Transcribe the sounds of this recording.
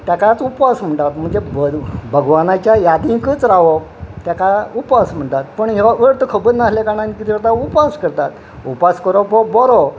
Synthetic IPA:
t̪jakat͡supasm̤əɳʈ̪at̪m̤əɳd͡ʑebəbʱəɡʋanat͡ɕjajad̪ĩkət͡sɾaʋɔt̪jakaupasm̤əɳt̪at̪̚pəɳɦeʋəɭt̪əkʰəbəɾnaslekaɽ̃ãnikit̪iɾt̪aupaskəɾt̪at̪ | upaskəɾɔbɔbɔɾɔ

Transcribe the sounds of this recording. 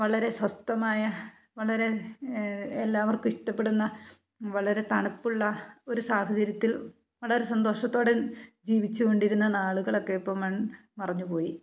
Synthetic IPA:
ʋɐɭɐɾe̞swɐst̪ɐmaːjɐ | ʋɐɭɐɾe̞ | elːaːʋɐrkuiʂʈɐpːe̞ɽunːɐ | ʋɐɭɐɾe̞t̪ɐɳɐpːuɭːɐo̞ɾusaːhɐt͡ɕɐɾjɐt̪ːil | ʋɐɭɐɾe̞sɐnd̪o̞ːʂɐt̪ːo̞ːɽed͡ʑiːʋit͡ɕːuɣo̞ɳɖiɾunːɐnaːɭuɣɐɭo̞kːe̞jipːoːmɐɳ | pɐrɐɲːupo̞ːji

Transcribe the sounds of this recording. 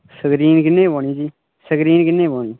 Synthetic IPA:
səɡɾiːnkɪnːẽːboːɳ̃iːd͡ʒiː | səɡɾiːnkɪnːẽːboːɳiː

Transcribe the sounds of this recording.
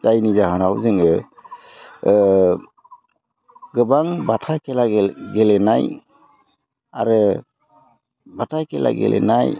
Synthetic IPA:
zajnizaɦanawzɯŋɯ | ɡɯbaŋbatʰajkɛlaɡɡɛlɛnaj | a̰ɾɯ | batʰajkɛla̰ɡɛ̰lʔɛ̰naj

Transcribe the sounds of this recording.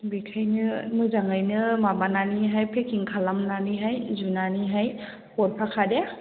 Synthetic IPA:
bikʰajnɯmɯzaŋajnɯmabananiɦajpʰekʰiŋkʰalamnaniɦajzunaniɦaj | hɔɾpʰakʰade

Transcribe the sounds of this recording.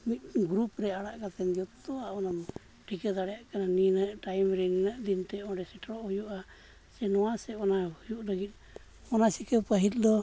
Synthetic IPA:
mit̪̚ɡɾupɾɛaɽaʔkat̪ɛnd̪ijɔt̪ɔaɔnam | ʈʰikəd̪aɽɛjaʔkananinəʔʈajmɾɛninəʔd̪int̪ɛɔ̃ɖɛsɛʈʰaɾɔʔhujuʔa | sɛnɔwasɛɔnahujuʔləɡit̪̚ | ɔnasikəpəɦit̪̚ˀd̪ɔ

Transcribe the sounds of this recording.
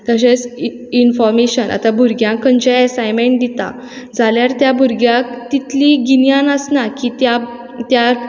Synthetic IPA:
k̪əɕẽt͡s | infɔɾmeɕənʔa̰t̪abʱuɾɡjãŋkːəɲt͡ɕaəsajmeɳʈ̚d̪it̪a̰ | d͡zaljaɾt̪jabʱuɾɡjãkt̪it̪liɡinjãnəsnakit̪ja | t̪ja

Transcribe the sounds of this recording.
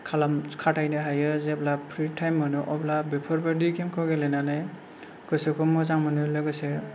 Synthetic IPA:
kʰalamkʰatʰajnɯɦajɯzeblapʰɾitʰajmːɯnɯʔɔplabepʰɔɾbadikʰemkʰɯwɡelejnanaj | kɯsɯkʰɔmɔzaŋmɯnɯlɯɡɯse

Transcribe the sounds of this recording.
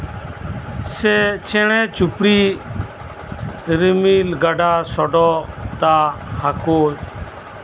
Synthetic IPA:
seːt͡ʃeːɳɛ̃ːt͡ʃʊpɽiː | ɾɪmiːlɡaːɖaːsɔːɖoːt̪aːhaːkoː

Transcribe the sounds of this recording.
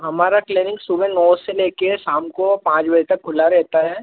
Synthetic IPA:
ɦɐmaːɾakleːnɪ̃ŋksubẽnɔːseleːkesaːmkopãːt͡ʃbɐd͡ʒɛt̪ɐk̚ʰːʊlaɾɛɦt̪aɦɛː

